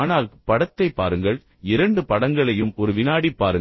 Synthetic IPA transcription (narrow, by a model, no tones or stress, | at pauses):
naːlpɐɽɐt̪ːɐɪpːa̰ːɾɯŋɡɐɭ | ɪɾɐɳɖɯpɐɽɐŋɡɐɭɐjɯmɔɾɯʋɪnaːɽipːaːɾɯ